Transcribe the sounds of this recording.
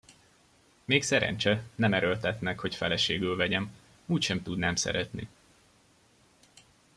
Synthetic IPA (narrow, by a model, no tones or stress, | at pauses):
meːksɛɾɛ̰ɲt͡ʃɛnɛmɛɾølt̪ɛt̪nɛkho̞cfɛlɛʃeːɡylvɛɟɛm | uːcʃɛmt̪ud̪naːmsɛ̰ɾɛt̪nḭ